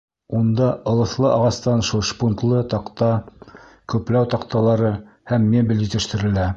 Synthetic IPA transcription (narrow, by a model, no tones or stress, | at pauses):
und̪ɑɤ̆lˠɤ̆θlˠɤʔɑʁɑst̪ɑnʃulˠʃpunt̪lˠɤt̪ɑqt̪ɑ | kɵ̆plæwt̪ɑqt̪ɑlˠɑɾɤ | hæmːebʲɘ̆lɘ̆t̪ɘ̆ʃt̪ɘ̆ɾɘ̆læ